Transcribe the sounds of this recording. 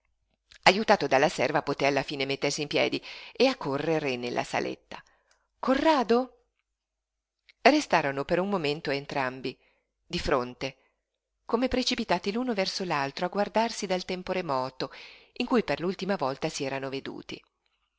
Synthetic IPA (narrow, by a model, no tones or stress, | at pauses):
ajut̪aːt̪od̪alːasɛrvapot̪ealːafiːnemet̪ːersimpjɛ̰ːd̪ieakːorːeɾenelːʔa̰sa̰lʔḛt̪ːa | kʰorːaːd̪o | rest̪aːɾonopeɾummoment̪oent̪ɾambi | d̪ifɾont̪e | komepɾet͡ʃipit̪aːt̪iluːnovɛrsolalt̪ɾoaɡward̪arsid̪alt̪ɛmpoɾemɔːt̪oiŋkujperlult̪imavɔlt̪asiɛːɾanoved̪ṵːt̪ḭ